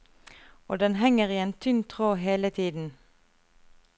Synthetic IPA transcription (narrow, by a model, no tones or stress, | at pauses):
oːd̪ɛnɦɛŋəʁiːeːnt̪ʰʏnt̪ʰʁoːɦeːlət̪ʰiːd̪n̩